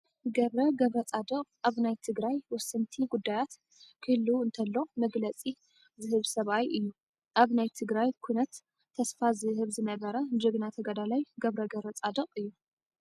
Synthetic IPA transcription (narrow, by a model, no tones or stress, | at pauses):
ɡɐβɾɐɡɐβɾɐt͡sʼad̪ɐqʼaβnajt̪ʰɨɡɾajwɔsɨnt̪ʰiɡud̪ːajat̪ | kʰɨlːuɨnt̪ʰɐlːo̞mɐɡlɐt͡sʼi | zɨhɨβsɐβajʔɨjːu | ʔaβnajt̪ʰɨɡɾajkʰujnɐt̪ʰː | ɐsfazɨhɨβzɨnɐβɐɾɐd͡ʒɨɡnat̪ʰɐɡɐd̪alajɡɐβɾɐɡɐβɾɐt͡sʼad̪ɐqʼɨjːu